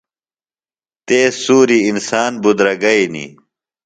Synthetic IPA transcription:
t̪eːsuːɾiːnsaːnbud̪ɾɐɡɐinḭ

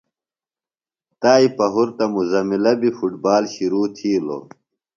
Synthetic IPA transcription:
t̪aːipɐɦuɾt̪ɐmuzɐmilɐbifuʈbaːlɕiɾuːt̪ʰiːlo̰ː

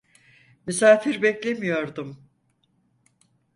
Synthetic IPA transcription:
mysaːfiɾbɛclʲe̞mijo̞ɾd̪um

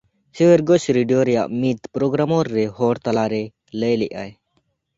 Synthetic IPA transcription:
seweɾɡɔsɾiɖijoɾɛja̰ʔmit̪pɾoɡɾamɔɾːɛɦɔɽt̪alaɾɛ | ləjliʔa̰j

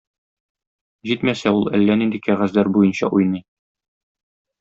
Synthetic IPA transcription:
ʑit̪mæsæulˠælːænind̪ɘkæʁæzlæɾbujɤnɕɑʔujnɤj

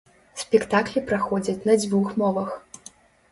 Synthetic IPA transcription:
sʲpʲɛkt̪aklʲipɾaxɔd͡zʲɐt͡sʲnɐd͡zʲvuxmɔvɐx

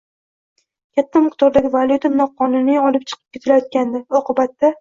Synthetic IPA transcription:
kʲʰat̪ʰːamɨqt̪ʰɒɾd̪aɡʲɪvalˠut̪ʰanɒqʰɒnʊnijɒlɪp̚t͡ʃʰɨ̥qʰɨp̚kʰʲe̞t̪ʰɪlajɒt̪̚kʲand̪ɪɒqɨbat̪ːa

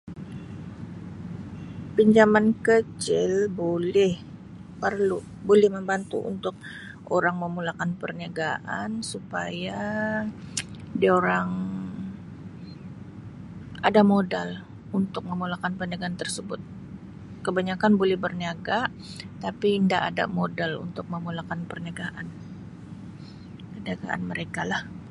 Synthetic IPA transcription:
piɲd͡ʒamankət͡ʃɪlbolɛh | pərlu | bolɛhməmbant̪ṵʔṵnt̪ʊk̚ | ʔoɾaŋməmulakanpərniaɡaʔansupaja | dioɾaŋ | adamodal | unt̪ʊk̚məmulakanpərnaɡaant̪ərsəbʊt̪̚ | kəbaɲakanbolɛhbərniaɡa | t̪apindaʔada̰modalṵnt̪ʊk̚məmulakanpərniaɡaʔan | pərniaɡa̰ʔa̰nməɾekalah

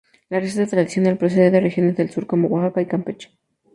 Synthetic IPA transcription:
lares̬aðet̪ɾaðisjo̞nd̪elpɾos̬eeðerexjone̞zðelsuɾkomowaxakaikampet͡ʃḁ

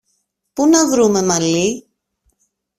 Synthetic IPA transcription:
punɐvɾume̞mɐli

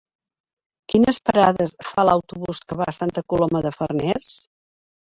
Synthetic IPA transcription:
kinəspəɾaðəsfaləwt̪uβuskəβa̰əsant̪əkulɔməðəfərnɛrs

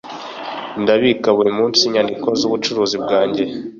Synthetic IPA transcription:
ndaβikaβuɾimuːnsiɲandiko̞zuβut͡ʃuɾuːzibɡaːɲɟe̞

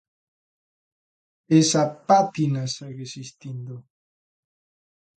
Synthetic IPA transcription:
esapat̪inaseɣesist̪ind̪o

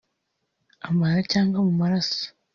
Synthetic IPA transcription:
amaɾacaːŋɡwamumaɾaso̥

